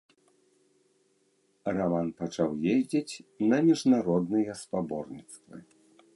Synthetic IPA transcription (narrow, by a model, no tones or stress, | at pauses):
ramanpat͡ʂawjezʲd͡zʲɛt͡sʲnɐmʲiʐnaɾɔd̪nɨjɛspabɔrnʲit̪st̪vɨ̰